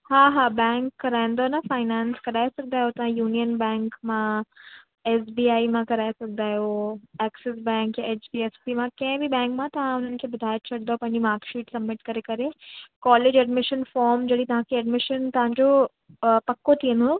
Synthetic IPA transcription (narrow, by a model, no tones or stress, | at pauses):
ɦaːɦaːbɛ̃ːŋkːɐɾaːĩnd̪onɐfaːɪnãːnskɐɾaːesɐɡ̚d̪aːɦot̪ɐʋ̤ãjuːnijənbɛ̃ːŋkmã | ɛːsbiːaːimãkɐɾaːesɐɡ̚d̪aːɦjoɛːkses̬bɛ̃ːŋkjãeːt͡ʃbiːespimãkɐ̃ɦɪ̃bʱibɛ̃ːŋkmãt̪ɐʋ̤ãʊn̤ənɪ̆kʰebɐd̪ʱaːjət͡ɕʰɐɽd̪opɐ̃ɦɪ̃ɲd͡ʑimaːɾkʃiːʈsɐbmɪʈkɐɾekɐɾekɔːleːd͡ʑɛɖmɪʃənfɔːɾmd͡ʑɐɽit̪ɐʋ̤ãkʰeɛɖmɪʃənt̪ɐʋ̤ãɲd͡ʑo | pɐkːot̪ʰiɦə̃nd̪oː